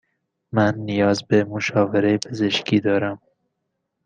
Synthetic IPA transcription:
mænːijɒːzbemoʃɒːveɾejepʰeze̞ʃkʰiːd̪ɒːɾæm

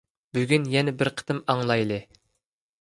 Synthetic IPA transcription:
byɡʲynjɛnɛbɪɾqʰə̥t̪ɨmɑŋlˠɑjlˠɨ

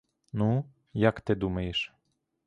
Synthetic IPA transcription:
nu | jakt̪ɪd̪umɐjeʃ

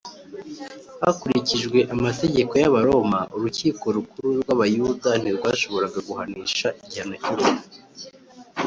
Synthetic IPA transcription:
ha̰kuɾiciʒɡwe̞ʔamate̞ɟe̞ko̞jaβaɾo̞maʔuɾuciːko̞ɾukuɾuɾɡwaβajuːdan̥iɾɡwaːʃo̞βo̞ɾaɡaɡuhaniːʃaʔiɟihanocuβui

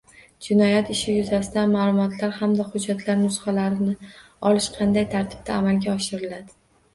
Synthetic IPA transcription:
d͡ʒɪnɒjat̪ɪʃɪjʊzasɪd̪amaːlˠʊmɒt̪ʰlaɾhamd̪ahʊd͡ʒːat̪ʰlaɾnʊsχɑlaɾɪnɪ | ɒlɪʃqʰɑnd̪ajt̪ʰaɾt̪ʰɪ̥b̥̚t̪ʰaːmalɡʲaɒʃɪɾɪlad̪ɪ

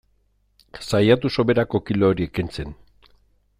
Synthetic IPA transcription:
sajat̪uso̞βe̞ɾako̞kilo̞ːɾie̞kint͡se̞n

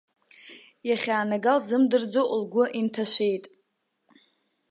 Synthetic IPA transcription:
jaχʲaːnaɡalzɨmdɨrd͡zoʔlɡʷʊʔintʰaʃʷejtʼ

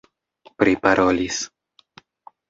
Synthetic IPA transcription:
pɾipaɾʔo̞lis

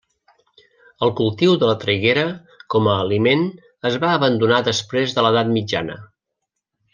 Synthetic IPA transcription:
əlˠkulˠt̪iwðələt̪ɾiɣeɾə | kɔməːlimen | əzβaəβənd̪unaðəspɾezðələðat̪mid͡ʒa̰nə̰

